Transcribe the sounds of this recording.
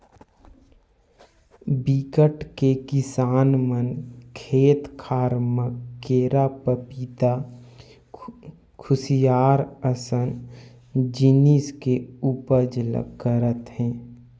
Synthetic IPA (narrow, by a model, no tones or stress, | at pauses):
bikəʈkekɪsaːnmənkʰeːt̪kʰaːɾməkeːɾapəpit̪a | kʰʊsijaːɾəsən | d͡ʒiniskeuːpəɾd͡ʒələ̰kːəɾət̪ɦɛ̃ː